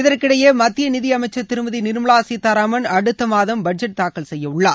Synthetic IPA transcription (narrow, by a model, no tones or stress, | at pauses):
ɪðɐrkɪɽɐjeːmɐt̪ːɪjɐnɪðɪɐmɐɪt͡ʃːɐt̪ːɪɾɯmɐðinɪɾmɐɭaːsit̪aɾaːmɐnɐɽɯt̪ːɐmaːðɐmbɐʈ̚d͡ʒɐʈ̚t̪aːkːɐlsɛjːɐʊɭːaː